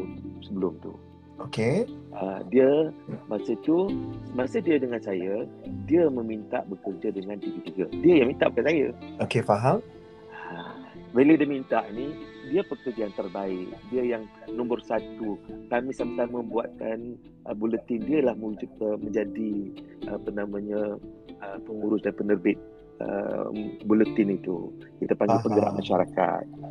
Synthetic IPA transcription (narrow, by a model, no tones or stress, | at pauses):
səbəlʊmt̪ṵ | okeʔadiəmasət̪umasədiədəŋansajədiəməmint̪a̰ʔbəkərd͡ʒadəŋant̪iɡət̪iɡədiəjaŋmint̪a̰ʔbəkansajə̰okefaɦam | abelədiəmint̪aʔnidiəpəkərd͡ʒəjaŋt̪ərbaɪk̚diəjaŋnɔ̃mbʊrsat̪ukamisamat̪amə̃mbuat̪̚kan | ʔəbulət̪ɪndiəlahməud͡ʒəmə̃ɲd͡ʒadiʔəpənamãɲəəpəŋuɾʊsdanpənərbɪt̪̚ | ə̰ | bulət̪ɪnit̪ṵkit̪apaŋɡpəŋɡəɾaʔamaʃaɾaka̰t̪̚